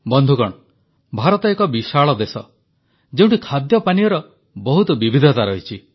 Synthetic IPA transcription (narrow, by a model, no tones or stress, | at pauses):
bɔnd̪ʱukɔɳ | bʱaɾɔt̪ɔekɔbiʃaɭɔd̪esɔ̰ | d͡ʒeũɳʈikʰad̪jɔpaniɔɾɔ | bɔɦut̪ɔbibid̪ʱɔt̪aɾɔɦit͡ʃʰi